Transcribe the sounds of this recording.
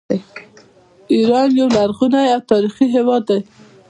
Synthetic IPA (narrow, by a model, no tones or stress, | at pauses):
aj | iɾɑnjawlaɾɣunajawt̪ɑɾixiɦewɑd̪ːaj